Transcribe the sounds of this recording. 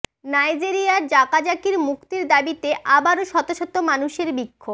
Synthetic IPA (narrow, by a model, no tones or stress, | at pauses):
najd͡ʑiɾiaɾd͡ʑakad͡ʑakiɾmukt̪iɾd̪abit̪eʔabaɾoʃɔt̪oʃot̪ːomanuʃeɾbikʰːob